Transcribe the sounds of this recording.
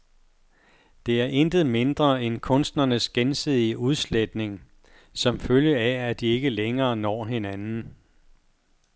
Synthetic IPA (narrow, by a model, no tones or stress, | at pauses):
d̥e̝æɐʔend̥ð̞̩ˠme̝nd̥ʁɐenkʰɔ̽nsd̥nɐnəsɡ̥ensið̰ˠiəʔuð̞ˠsled̥ne̝ŋ | sɒ̽mføljəææd̥ie̝ɡ̥əleŋɐːnɒ̰ːɦe̝nænn̩